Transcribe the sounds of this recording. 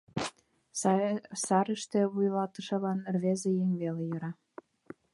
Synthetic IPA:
ssɑɾəʃt̪ĕβujlɑt̪ə̆ʃɤ̆lɑnrβezejeŋβelejɤ̆ɾɑ

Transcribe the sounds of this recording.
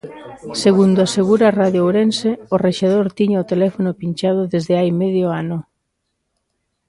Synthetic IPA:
seɣund̪ʊaseɣuɾaraðjowɾenseoreʃeð̞oɾt̪iɲaot̪elɛfonʊpinʲt͡ʃað̞ʊðezðeajmeðjoanʊ

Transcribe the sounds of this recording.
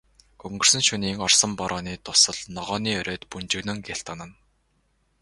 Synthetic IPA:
ɡ̥ɵŋɡɵ̆r̥sɵ̆nʃuniːŋɔrsə̆mpɔɾʔɔːniːt̪ʊsə̆ɮnɔʁɔːniːœɾʲœːt̪punt͡ɕɪ̆ɣnɘ̆ŋɡeɬt̪anə̆n

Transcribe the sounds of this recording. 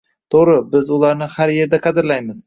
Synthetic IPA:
t̪ʰoɾɪbɪzʊlˠaɾnɪhaɾje̞ɾd̪aqʰɑd̪ɪɾlajmɪz̥

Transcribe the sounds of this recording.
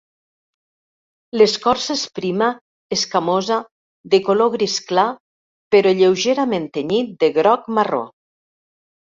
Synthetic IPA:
leskɔɾsespɾima | eskamoza | ðekoloɣɾiskla | peɾɔʎewʒeɾament̪eɲit̪̚d̪eɣɾɔkmaro̰

